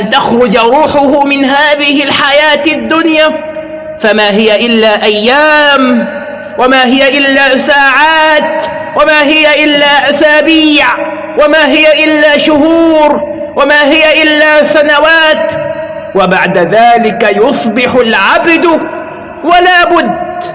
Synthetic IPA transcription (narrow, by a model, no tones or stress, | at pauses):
ʔant̪axɾʊd͡ʒɾuːħʊhʊmɪnhaːðɪhɪlħajaːt̪ad̪ːʊnjaː | famaːɦɪjaʔɪlːaːʔajːaːm | wamaːɦɪjaʔɪlːaːsaːʕaːt̪ | wamaːɦɪjaʔɪlːaːʔasaːbiːʕ | wamaːɦɪjaʔɪlːaːʃʊhuːɾ | wamaːɦɪjaʔɪlːaːsanawaːt̪ | wabaʕd̪aðaːlɪkajʊsˤbɪħʊlʕabd̪ | walaːbʊd̪ː